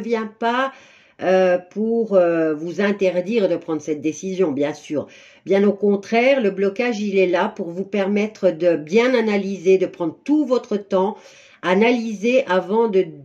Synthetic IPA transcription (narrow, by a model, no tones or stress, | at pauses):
vjɛ̃pa | øpuʁøvuzɛ̃t̪ɛʁd̪iːʁed̪əpχɑ̃d̪ʁəsɛt̪̚d̪esizjɔ̃bjɛ̃syːʁ | bjɛ̃nokɔ̃t̪χɛʁləblɔkaʒilɛlapuʁvupɛʁmɛt̪χəd̪əbjɛ̃nanalized̪əpχɑ̃d̪ʁət̪uvɔt̪χət̪ɑ̃ | analizeʔavɑ̃d̪ə